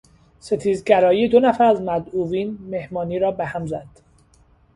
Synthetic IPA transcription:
se̞t̪ʰiːzɟæɾɒːiːjed̪onæfæɾæzmæd̪uːviːnmehmɒːniːɾɒːbehæmzæd̪̥

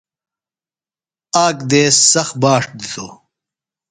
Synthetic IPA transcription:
aːkd̪eːssɐxbaːʂd̪it̪oː

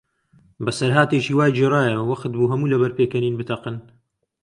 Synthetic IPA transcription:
bɐsɐɾɦaːt̪eːʃiːwaːjd͡ʒerɑːjɐwɐqt̪̚buːɦɐmuːlɐbɐɾpeːkɐniːnbɨt̪ʰɐqɨn

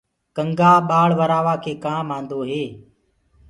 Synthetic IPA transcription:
kəŋɡaːɓaːɭʋəɾaːʋaːkʰeːkãːmãːnd̪oːɦeː

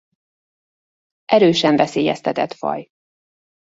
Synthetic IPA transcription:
ʔɛɾøːʃɛɱvɛseːjɛ̰st̪ɛt̪ɛt̪fɒ̰j

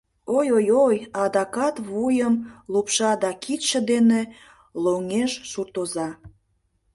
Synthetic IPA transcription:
ojojojɑd̪ɑkɑt̪βujəmlupʃɑd̪ɑkit̪ʃĕd̪ene | loŋeʃʃurt̪ozɑ

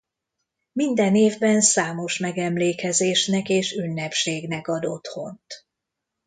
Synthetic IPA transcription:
mind̪ɛneːvbɛnsaːmo̞ʃmɛɡɛmleːkɛzeːʃnɛkeːʃynːɛpʃeːɡnɛkɒd̪o̞t̪ho̞̰nt̪

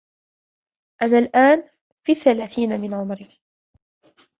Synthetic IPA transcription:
ʔanaːlʔaːn | fiːθːalaːθiːnamɪnʕʊmɾiː

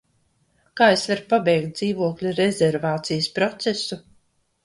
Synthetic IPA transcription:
kaːesvaɾpabɛjkt̪̚d̪ziːvuɔklʲuɾezʲɛɾvaːt̪sijəspɾɔt̪sesu

